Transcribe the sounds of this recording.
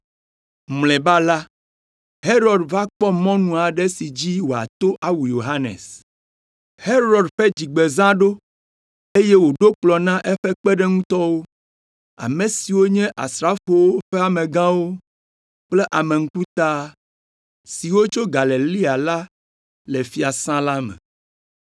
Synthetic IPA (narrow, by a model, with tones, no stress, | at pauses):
mlɛ̃˨ba˦la˦ | he˦ɾɔ˨ɖva˦k͡pɔ˦mɔ̃˦nũ˨a˨ɖɛ˦si˨d͡ʑi˦wo˨a̰˨t̪o˦ʔa˦wu˨jo˨ɦa˦nḛ˨s | he˦ɾɔ˨ɖɸɛ˦d͡ʑi˨ɡ͡be˨zã˦ɖo˦ | e˦je˦wo˨ɖo˦k͡plɔ˨nã˦ʔɛ˦ɸɛ˦k͡pɛ˦ɖɛ˦ŋũ˦t̪ɔ˦wo˦ | a̰˨mẽ˨si˨wo˦ɲɛ̃˦ʔa̰˨sɾa˦fo˦wo˦ɸɛ˦a˨mẽ˨ɡã˦wo˦ | k͡plɛ˦ʔa˨me˨ŋ̩̃˦ku˦t̪a˦ | si˨wo˦t͡ʃo˦ɡa˨le˨li˦a˨la˦ | le˨fi˨a˨sã˦la˦mɛ̰̃˨